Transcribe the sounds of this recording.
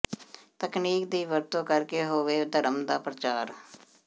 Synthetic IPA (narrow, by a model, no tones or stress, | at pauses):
t̪əkniːkd̪iːʋəɾt̪õːkəɾkeːɦoːʋeːd̪əɾəmd̪aːpɾət͡ʃaːɾ